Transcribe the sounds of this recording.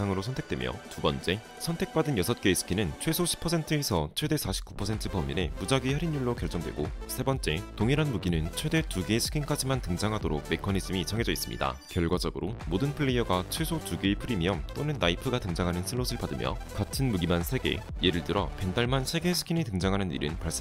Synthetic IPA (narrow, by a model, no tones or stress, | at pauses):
aŋɯɾosʰʌntʰe̞k̚t͈we̞̰mjʌ̰tubʌnt͡ɕ͈e̞ | sʰʌntʰe̞k̚p͈adɯnjʌsʰʌt̚k͈e̞ːsʰɯ̥kʰinɯnt͡ɕʰwe̞sʰoɕʰi̥pʰːʌsʰe̞ntʰɯesʰʌt͡ɕʰwe̞de̞sʰaɕʰi̥p̚k͈u̥pʰʌsʰe̞ntʰɯpʌmːḭne̞pud͡ʑaɡihaɾinːuɭːokjʌɭt͡ɕ͈ʌŋdwe̞̰ɡosʰe̞bʌnt͡ɕ͈e̞toŋiɾanmuɡinɯnt͡ɕʰwe̞de̞tuɡesʰɯ̥kʰink͈ad͡ʑimantɯŋd͡ʑaŋɦadoɾok̚me̞kʰʌnisʰɯmit͡ɕʌŋe̞d͡ʑʌis͈ɯmɲḭda̰kjʌɭɡwad͡ʑʌɡɯɾʔomodɯnpʰɯɭːejʌɡat͡ɕʰwe̞sʰotuɡepʰɯɾimiʌmt͈onɯnːaipʰɯɡatɯŋd͡ʑaŋɦanɯnsʰɯɭːosʰɯɭpadɯmjʌ̰katʰɯnmuɡimansʰe̞ɡe̞̰je̞ɾɯɭt͈ɯɾʌ̰pe̞ndaɭmansʰe̞ɡe̞sʰɯ̥kʰinitɯŋd͡ʑaŋɦanɯnḭɾɯnpaɭs͈